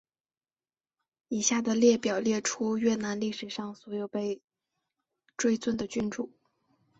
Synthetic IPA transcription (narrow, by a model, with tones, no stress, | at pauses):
i˨˩ɕja˥˩d̪ə˩ljɛ˥˩pjɑ˨˩ʊljɛ˥˩ʈ͡ʂʰu˥ɥɛ˥˩na˧˥nli˥˩ʂɻ̩˨˩ʂɑ˥˩ŋswɔ˧˥jo˨˩ʊpe˥˧ɪ | ʈ͡ʂwe˥ɪt͡swə˥˩nd̪ə˩t͡ɕy˥nʈ͡ʂu˥˩˦